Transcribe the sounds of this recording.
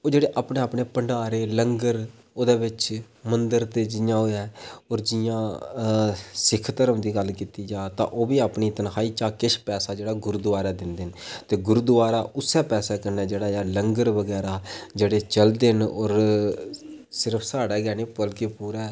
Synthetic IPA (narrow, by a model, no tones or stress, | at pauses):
oːd͡ʒeːɽeːʔaːpneːaːpɳeːpəɳɖaːɾeːləŋɡəɾ | oːd̪eːʋɪt͡ʃ | mənd̪əɾt̪eːd͡ʒɪjãːɦoːɛːɔːɾd͡ʒɪjãː | sɪkʰt̪əɾəmd̪iːɡəlkiːt̪iːd͡ʒaːt̪ã̰ːʔoːbiːaːpniːt̪ənhaːiːt͡ʃaːkɪʃpɛːsaːd͡ʒeːɽaːɡʊɾd̪ʊʋaːɾaːd̪ɪnd̪ent̪eːɡʊɾud̪ʊʋaːɾaːʔʊsɛːpɛːsaːkəɾnɛːd͡ʒeːɽaːjaːləŋɡəɾʋəɡɛːɾaːd͡ʒeːɽeːt͡ʃəld̪ɪnɔːɾ | sɪɾəpʰsaːɽɛːɡɛːneːpəlkeːpuːɾɛː